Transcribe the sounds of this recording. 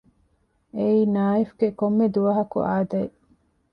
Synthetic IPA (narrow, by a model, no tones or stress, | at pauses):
eiːnaːifɡekomːed̪uʋɐɦɐkṵʔaːd̪ɐe